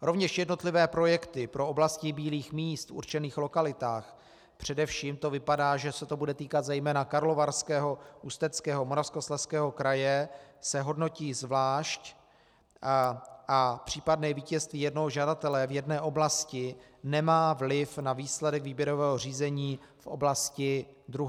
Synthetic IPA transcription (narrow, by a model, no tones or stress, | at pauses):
ɾo̞vɲɛʃjɛdno̞t̪lɪvɛːpɾo̞jɛkt̪ɪpɾoʔoblascɪbiːliːxmiːst̪fṵɾt͡ʃɛniːxlo̞kalɪt̪aːx | pr̝̥ɛdɛfʃiːmt̪o̞vɪpadaːʒɛsɛt̪o̞budɛt̪iːkat̪zɛjmɛːnakaɾlo̞vaɾskɛːɦo̞ʔust̪ɛt͡skɛːɦomoɾafskoslɛfskɛːɦo̞kɾajɛsɛɦo̞dno̞ciːzvlaːʃc | ʔapr̝̥iːpadnɛːviːcɛst̪viːjɛdnoɦoʒadat̪ɛlɛvjɛdnɛːʔo̞blascɪ | nɛmaːvlɪfnaviːslɛdɛkviːbjɛɾo̞vɛːɦor̝iːzɛɲiː | fʔo̞̰blascɪd̪ɾuɦ